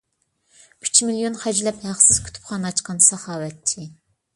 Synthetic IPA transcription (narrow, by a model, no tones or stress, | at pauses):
yt͡ʃʰmiljonχæd͡ʒlɛphæχsɨz̥kʲʰy̥t̪ʰy̥pχɑnɑt͡ʃqɑnsɑχɑːwɛt̪ʰːi